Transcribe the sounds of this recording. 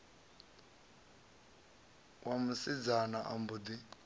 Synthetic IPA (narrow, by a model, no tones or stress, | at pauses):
wamusid͡zanaʔambud̪i